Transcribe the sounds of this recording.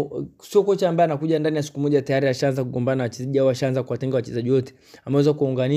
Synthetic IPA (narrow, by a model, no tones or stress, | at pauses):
siɔkɔt͡ʃaːmbaɛanakuʄandanijasi̥kumɔʄatajaɾiaʃaanzakuɡɔmbanawat͡ʃɛʄiaɔaʃaanzakuwatɛŋɡawat͡ʃɛzaʄiwɔtɛ̥ | amɛwɛzakuauŋɡani